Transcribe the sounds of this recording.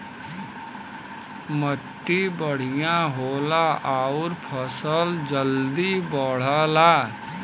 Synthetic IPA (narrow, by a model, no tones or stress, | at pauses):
məʈːibəɽ̤ɪjãɦoːlaʔaːʊɾpʰəsəld͡ʒəld̪ibəɽ̤alaː